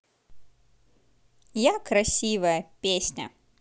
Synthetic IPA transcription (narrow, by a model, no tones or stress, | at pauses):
jakɾasʲivɐjəpʲesʲnʲɐ̰